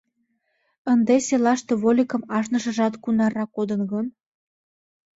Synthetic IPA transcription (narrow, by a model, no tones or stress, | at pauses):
ənd̪eselɑʃt̪eβolʲikə̆mɑʃnəʃə̆ʒɑt̪kunɑɾɑkod̪ənɣən